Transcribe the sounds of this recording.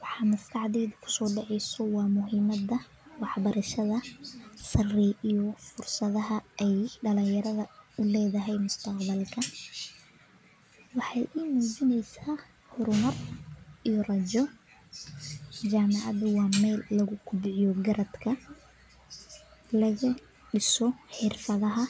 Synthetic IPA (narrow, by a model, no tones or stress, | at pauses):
wɑħɑːmʊst̪ʰɑʕðɛjðʊkʰʊ̥sɔːɖɑʕɛjsɔwɑːmʊɦiːmɐðɐ | wɑħbɐɾɐʃɐðɐsɐrɛijɔfʊrsɐðɐɦɐʔɛjɖɐlɪjɐɾɐðɐʊlɛːðɐɦɛjmʊst̪ʰɐqbɐlkʰɐ | wɑħɑjʔiːmuːd͡ʒɪnɛjsaː | hʊɾʊmɐrijɔrɐt͡ʃɔ | d͡ʒaːmɑʕɑ̰ðʊwɑmɛjlːɐɣʊkʰʊbʕjɔɡɐɾɐd̪kʰɐ | lɐɣɐ | ɖɪsɔħɪrfɐðɐɦɐ